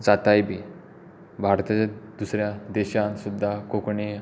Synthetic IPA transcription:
d͡zat̪ajbʱiː | bʱaɾt̪at͡ɕad̪usɾjad̪eɕansud̪ʱːakokɳe

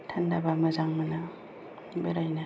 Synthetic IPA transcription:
tʰandabamɐzaŋmana | ibaɾajna

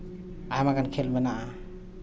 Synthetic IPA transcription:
ajamaɡankʰelmɛnaʔa

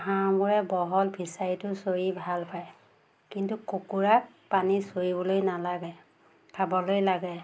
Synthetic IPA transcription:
ɦamuɹɛbɔɦɔlbʱisaɹitʊsojibʱalpaj | kintukokuɹak | panisojibɔlojnalaɡɛ | pʰabɔlojlaɡɛ

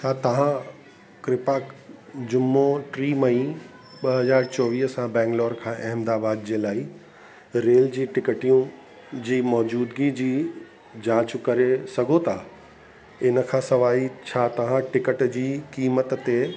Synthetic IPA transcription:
t͡ɕʰaːt̪ɐʋ̤ã | kɾɪpaːkd͡ʑʊmːoʈɾiːmɐĩ | ɓɐɦɐzaːɾt͡ɕɔːʋiːɦsãbɛ̃ːŋɡloːɾkʰãːʔɐɦmd̪aːbaːd̪d͡ʑeːlaːi | ɾeːld͡ʑiːʈɪkəʈijũ | d͡ʑiːmɔːd͡ʑuːd̪ɡid͡ʑiː | d͡ʑãːt͡ɕkɐɾesɐɡʱot̪ʰaː | ɪnə̆kʰãːsɐʋaːit͡ɕʰaːt̪ɐʋ̤ãʈɪkəʈd͡ʑiːkiːmət̪t̪e

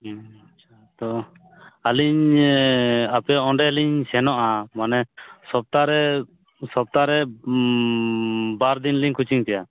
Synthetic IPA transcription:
at͡ʃʰat̪ɔ | aliɲ | apɛɔɳɖɛliɲsɛnɔʔamanɛsɔp̚t̪aɾɛ | sɔp̚t̪aɾɛ | baɾd̪inliɲkʰut͡ʃiŋt̪ɛja

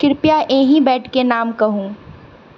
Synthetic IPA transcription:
kɪɾpjaʔẽːɦĩbɛːʈʰkenaːmkɐɦũː

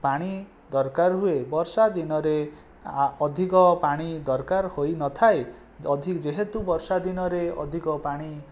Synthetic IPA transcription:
paɽ̃i | d̪ɔɾkaɾɦuebɔɾsad̪inɔɾe | ɔd̪ʱikɔpaɽ̃id̪ɔɾkaɾhojnɔt̪ʰae | ɔd̪ʱid͡ʒeɦet̪ubɔɾsad̪inɔɾeɔ̰d̪ʱikɔpaɽ̃i

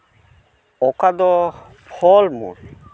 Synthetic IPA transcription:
ɔkad̪ɔ | pʰɔlmṵɾ

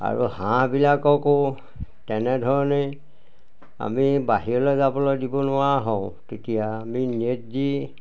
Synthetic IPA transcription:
a̰ɹṵhãbilakɔko | tɛnɛdʱɔɹɔne | a̰mibaɦijɔlɔzabɔlɔdibɔnʊwaɦɔtetijaːminet̚di

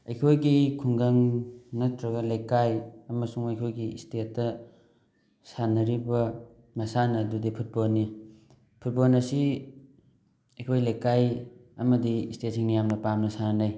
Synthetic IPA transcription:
ɐjkʰojɡikʰuŋɡaŋnɐtɾɐɡɐlajkajɐmɐsuŋɐjkʰojɡiistetːɐ | sanɐɾibɐ | mɐsanɐdudipʰut̚bolnːi | pʰut̚bolnɐsi | ɐjkʰojlajkajɐmɐdiːstetsiŋnijamnɐpamnɐsannaj

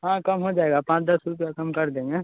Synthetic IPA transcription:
ɦãkɐmɦod͡ʒaːeːɡapãːt͡ʃd̪ɐsɾupjakɐmkɐɾd̪ẽːŋɡeː

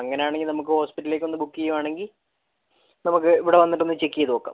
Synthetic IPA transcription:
ɐŋːɐne̞jaːɳeŋɡilnɐmuk̬ːɨho̞ːspiʈːlilekʲːo̞nːɨbukːijumaːɳe̞ŋɡil | nɐmuk̬ːɨiʋiɽeʋɐnːiʈːenːɨt͡ɕe̞kːijɐðɨʋokːa̰

